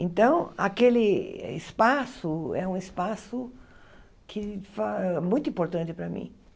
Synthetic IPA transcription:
ẽnt̪ɐ̃w̃akelɪɪ̰spasʊɛũɪspasʊ | kʰɪfaɛmũj̃t̪ʊĩpoɾt̪ɐ̃nt̪ɪpɾɐmḭ̃

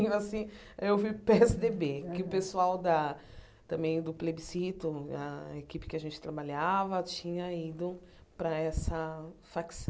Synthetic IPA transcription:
asĩ | ewvipeɛsɪd̪ebekɪʊpesuawd̪ɐ | t̪ɐ̃mbẽj̃d̪ʊplebisit̪ʊɐ̰ekipɪ̥kɪɐʒẽnt͡ʃɪ̥t̪ɾabaʎavɐt͡ʃĩɲɐid̪ʊ | pɾɐɛsɐfaks

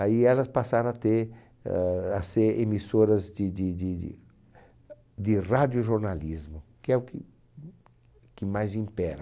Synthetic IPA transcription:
aiɛlɐspasaɾɐ̃at̪eɾ | aseɾemisoɾɐzd̪ɪd̪ɪd̪ɪd̪ɪ̰ | d̪ɪrad̪jʊʒoɾnalizmʊkɪɛʊkɪ | kɪmajzĩmpɛɾɐ

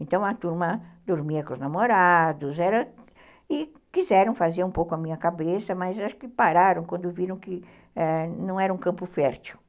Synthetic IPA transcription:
ẽnt̪ɐ̃w̃ɐt̪uɾmɐd̪oɾmiɐkʊ̃znamoɾad̪ʊzɛɾɐ | ɪ | kizɛɾɐ̃w̃fazeɾũpowkʊɐmĩɲɐkabesɐmɐzaʃʊ̥kɪpaɾaɾɐ̃w̃kwɐ̃nd̪ʊviɾɐ̃w̃kɪ | ɛnɐ̃w̃ɛɾɐũkɐ̃mpʊfɛɾt͡ʃiw

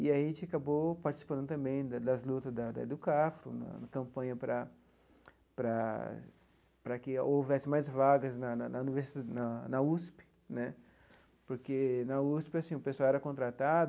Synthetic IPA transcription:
ɪaʒẽnt͡ʃɪakabopaɾt͡ʃisi̥pɐ̃d̪ʊt̪ɐ̃mbẽj̃d̪ɐd̪ɐzlut̪ɐzd̪ɐd̪ɐ̰d̪ʊkafɾʊ̰nɐ̰nɐkɐ̃mpɐ̃ɲɐpɾɐ | pɾɐ | pɾɐkɪowvɛsɪmajzvaɡɐznɐnnɐuniveɾsinɐnɐuspɪ̥ | nɛ | poɾkenɐuspɪasĩʊpeswawɛɾɐkõnt̪ɾat̪ad̪ʊ

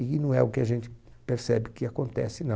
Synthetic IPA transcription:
ɪkɪnɐ̃w̃ɛʊkɪaʒẽnt͡ʃ̪ɪ̥peɾsɛbɪkɪakõnt̪ɛ̰sɪnɐ̃

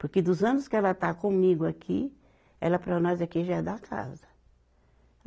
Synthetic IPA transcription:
poɾkɪd̪ʊzɐ̃nʊskɪɛlɐt̪akõmiɡʊakʰi | ɛ̰lɐpɾɐnɔzakiʒaɛd̪akʰa̰zɐ

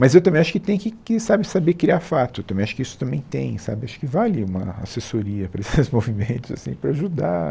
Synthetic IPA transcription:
mɐzewt̪ɐ̃mbẽj̃aʃʊ̥kɪt̪ẽj̃kɪkɪsabɪsabekɾiafat̪ʊewt̪ɐ̃mbẽj̃aʃʊ̥kɪisʊ̥t̪ɐ̃mbẽj̃t̪ẽj̃sa̰bɪaʃʊ̥kɪvalɪũmɐ̰a̰sesoɾiɐpɾɐesɪzmovimẽnt̪ʊza̰sḭ̃pɾɐaʒud̪a̰

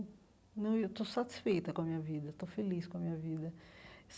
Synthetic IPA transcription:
nɐ̃w̃ewt̪osat̪i̥sfejt̪ɐkõɐmĩɲɐvid̪ɐt̪ofeliskõɐmĩɲɐvid̪ɐs

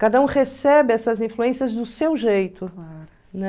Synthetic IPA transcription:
kad̪ɐũhesɛbɪɛsɐzĩfluẽsiɐzd̪ʊsewʒejt̪ʊlaɾʊ | nɛ

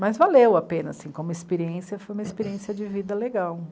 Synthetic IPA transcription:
mɐzvalewapẽnɐ̰sĩkõmʊispeɾiẽsiɐfojũmɐispeɾiẽsiɐd͡ʒɪvid̪ɐleɡaw

